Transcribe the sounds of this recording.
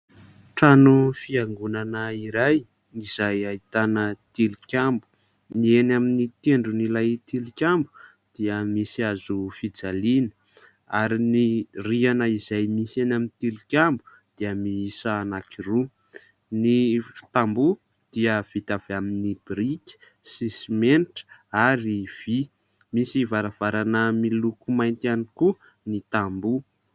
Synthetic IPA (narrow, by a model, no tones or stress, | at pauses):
ʈ͡ʂanufiaŋɡunanəiɾaj | iz̥ajait̪anət̪ilikʲambu̥ | nienaminit̪eɳɖ͡ʐunilajt̪ilikʲambu | d̪̥iəmisiazufid͡zalinə̥ | aɾinirianəiz̥ajmisenaminit̪ilikʲambu | d̪̥iəmiisaːnakiru | nifi̥t̪ambu | d̪̥iəv̥it̪av̥eaminibɾikʲə̥ | sisimenʈ͡ʂə̥aɾiv̥i | misivaɾav̥aɾanəmilukumajnt̪ianiku | nit̪ambu